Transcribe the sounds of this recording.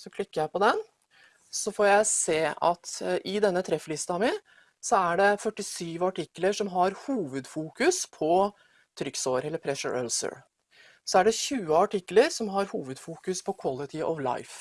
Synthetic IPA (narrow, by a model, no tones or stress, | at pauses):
sɔkʰlɪkːəjæɪpɔd̪ɛn | sɔfoːɾjæɪseːɑt̪ʔɪd̪ɛnːət̪ʰɾɛflɪst̪ɑmɪn | sɔæɖɛfœʈːɪsyːʋɑʈɪkːləʂɔmɦɑɾhuːʋəd̪fuːkʉspʰɔ | t̪ʰɾʏksoːɾɛlːəɾpʰɾɛʂə̰ɹœ̰lsə̰ɹ | sɔæɖɛçʉːəɑʈɪkːləɾsɔmɦɑɾhuːʋəd̪fuːkʉspʰɔkʰwɑlɪt̪ʰɪʔɔʋlɑ̰ɪf